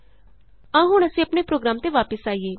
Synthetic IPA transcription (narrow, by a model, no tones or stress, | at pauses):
ãːɦʊɳ̃əsĩːəpnepɾoːɡɾaːmt̪eːʋaːpəsaːiːeː